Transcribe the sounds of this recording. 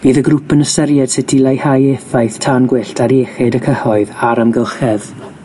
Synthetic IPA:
v̥iːðəɡrʊpənəsɛɾjɛd̥sɪtʰilˠajhajefajθtʰanɡwɪɬtʰaɾeːχɛdəkʰəhɔɨðaɾəmɡəlˠχɛð

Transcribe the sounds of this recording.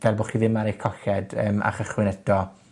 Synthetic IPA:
vɛlˠbɔːχiðɪmaɾekʰɔɬɛdəːma̰χəχwɪnɛd̥ɔ

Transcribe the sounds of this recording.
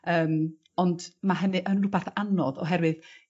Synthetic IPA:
əːm | ɔndmaɦənɨʔənrʊbaθanɔðɔ̰ɦɛɾwɨð

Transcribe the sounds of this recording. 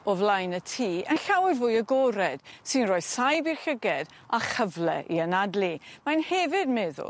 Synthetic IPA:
ɔvlˠajnətʰiːʔə̰nɬawɪrvʊːjəɡɔɾɛd̥sɨnrɔːɨð̥sajbirɬəɡɛd | aχəvlɛ̰ʔiənadlˠimanhɛvɨd̚mɛːðʊ̰

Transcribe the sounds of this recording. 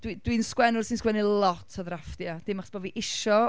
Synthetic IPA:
d̥wid̥winskwɛnʊrsɪnskwɛnilˠɔtʰɔðrafdjad̥ɪmaχɔ̥sb̥ɔviʔɪʃɔ

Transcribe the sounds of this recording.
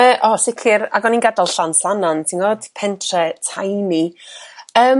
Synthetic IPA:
əːʔɔsɪkʰɪɾa̰ɡɔninɡadalˠɬanslˠanɔntʰiŋoːd̥pʰɛntʰrɛtʰajmi | əː

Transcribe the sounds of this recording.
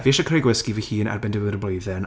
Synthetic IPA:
viʃakʰrejɡwɪskivihiːna̰rbɛndəwəɾəblejðɛn

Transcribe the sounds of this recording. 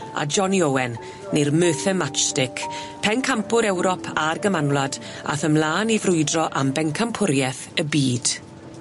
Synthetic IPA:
a̰d͡ʒɔniowɛnː | ermøːθɛmat͡ʃtɪkʰ | pʰɛnkʰampʊɾɛwɾɔpʰarɡəmanwlad | a̰θəmlaːnivrʊɨdrɔʔambɛŋkʰampʰʊɾjɛθəbiːd̥

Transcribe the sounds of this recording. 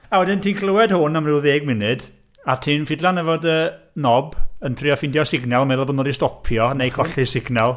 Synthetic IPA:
awɛdɪntʰiːnkʰlˠəwɛd̥hʊnamrɪwðeːɡ̚mɪnɨd | atʰiːnfɪdlanɛvɔdə | nɔbəntʰrɪɔfɪndjɔsɪɡnɛlˠmɛðlˠbonoːdistɔpʰjɔnejkʰɔɬisɪɡnɛlˠ

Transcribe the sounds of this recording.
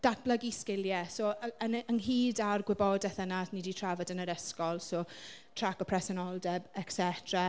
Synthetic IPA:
d̥atb̥lˠəɡiskɪljɛsoːənənɦiːdarɡwɪbɔdɛθənatniditʰravɔdənəɾəskɔlˠsoːtʰrakɔpʰrɛsɔnɔlˠdɛbɛksɛtʰra

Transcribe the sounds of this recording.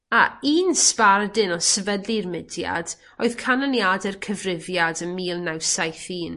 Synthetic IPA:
aiːnspardɪnɔsəvədlˠirmɪdja̰d̥ | oɨðkʰanənjadɛrkʰəvrɪvjadəmiːlˠnawsajθiːn

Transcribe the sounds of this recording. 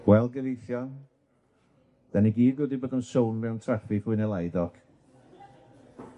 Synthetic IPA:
wɛlˠɡɛvejθjɔn | d̥ɛniɡiːd̚ɡəːdiboːdəmsownvɛwntʰrɛfifɨnɛlˠajdɔɡ̥

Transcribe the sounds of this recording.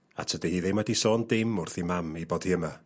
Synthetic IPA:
a̰tʰədihiːðejmwadisɔːndɪmʊrθimamiboːd̥hiəma

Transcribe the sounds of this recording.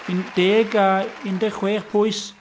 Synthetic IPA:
ind̥eːɡaɪndɛχweːχpʰʊɨs

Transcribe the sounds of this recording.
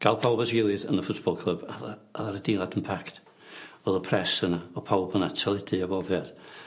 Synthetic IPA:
ɡ̥alˠpʰawbasɡɪlˠɪðə̰nðəfʊtb̥ɔlˠkʰl̥ˠəbaðaaðaɾəd̥inˠadənpʰakt | ɔðˠəpʰrɛsənaɔpʰawbənatʰəlˠɪdiabɔvjað̥

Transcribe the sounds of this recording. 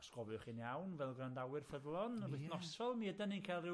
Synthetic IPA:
skɔbɨχinjawnvɛlˠɡrandawɨrfəðlˠɔnɪθnɔsɔlˠmiədəninkʰalˠɨ

